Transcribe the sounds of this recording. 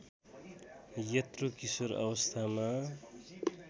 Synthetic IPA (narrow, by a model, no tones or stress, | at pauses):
jʌt̪rukisoɾʌ̰βʌst̪ʰama